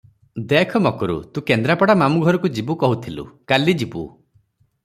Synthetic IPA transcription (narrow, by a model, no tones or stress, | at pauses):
d̪ekʰɔmɔkɔɾṵt̪ũkend̪ɾapɔɽamamuɡʱɔɾɔkud͡ʒibukɔɦut̪ʰilṵkalid͡ʒibṵ